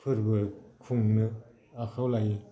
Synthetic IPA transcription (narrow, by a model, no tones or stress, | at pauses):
pʰərwəkʰoŋnə | aχawlajən